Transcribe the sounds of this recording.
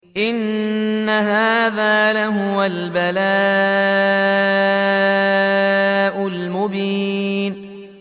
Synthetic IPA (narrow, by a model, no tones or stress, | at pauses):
ʔɪnː | aɦaːðaːlaɦʊwalbala | ʔʊlmʊbiːn